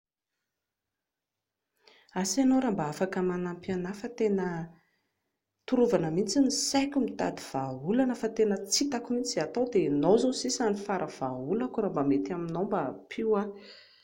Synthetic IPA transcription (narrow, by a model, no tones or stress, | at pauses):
asanoɾambaafakəmanampianafət̪enə | t̪uɾuvanəmint͡sinisakʲumit̪a̰d̪iv̥aulanəfat̪enət͡sit̪akumint͡sizat̪awd̪enozosisanifaɾʔəv̥aulakuɾambamet̪aminombapʰiwa